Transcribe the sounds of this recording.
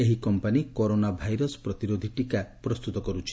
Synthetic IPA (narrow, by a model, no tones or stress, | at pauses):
eɦikɔmpanikɔɾonabʱajɾɔspɾɔt̪iɾod̪ʱiʈikapɾɔst̪ut̪ɔkɔɾut͡ʃʰi̥